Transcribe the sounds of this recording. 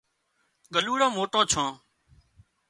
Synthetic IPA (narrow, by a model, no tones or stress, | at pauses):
ɡəluːɽõːmoːʈõːt͡ʃʰãː